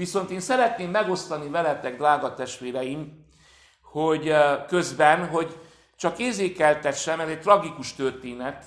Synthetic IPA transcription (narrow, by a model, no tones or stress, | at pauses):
ʋiso̞nt̪eːnsɛɾɛt̪neːmːɛɡo̞st̪ɒnivɛlɛt̪ɛɡd̪raːɡɒt̪ɛʃt̪ʋeːɾɛjim | hoɟkøzbɛnɦo̞ɟ | t͡ʃɒkeːrzeːkɛlt̪ɛʃːɛnɛzɛc̚t̪rɒɡikuʃt̪ørt̪eːnɛt̪